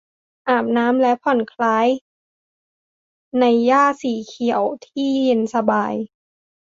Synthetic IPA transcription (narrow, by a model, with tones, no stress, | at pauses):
ʔaː˨˩m̚naː˦˥mlɛ˦˥ʔpʰɔ˨˩nkʰlaː˦˥j | na˧jːaː˥˩siː˨˩˦kʰi˨˩əwt̪ʰiː˥˩je˧nsa˧baː˧j